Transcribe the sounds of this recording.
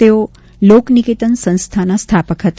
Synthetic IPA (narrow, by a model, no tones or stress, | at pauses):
eo | loknikit̪ənsə̃ñst̪ʰanast̪ʰapəkʰɦət̪